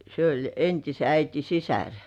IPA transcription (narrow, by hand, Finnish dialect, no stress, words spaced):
se olʲ entise æiti sisær